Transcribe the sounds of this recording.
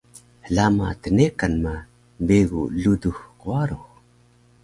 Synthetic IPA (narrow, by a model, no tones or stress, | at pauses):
ɮamatənekanma | beɡuɮuduhkoaɾo